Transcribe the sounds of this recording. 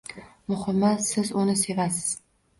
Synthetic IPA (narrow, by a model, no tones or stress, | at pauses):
mʊhɨmːasɪzʊnɪse̞vasɪ̥z̥